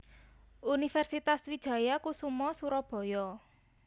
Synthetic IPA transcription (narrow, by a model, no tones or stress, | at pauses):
unifɛrsit̪aswid̥ʒ̥a̤jakusumɔsuɾɔb̥ɔ̤jɔ